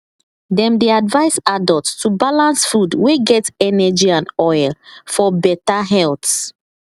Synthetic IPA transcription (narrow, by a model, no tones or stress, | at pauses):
dɛ̃mdeadvaɪsadɔltstubalãnsfudweɡɛtɛnɛd͡ʒiãnɔjlfɔbɛtaɦɛlt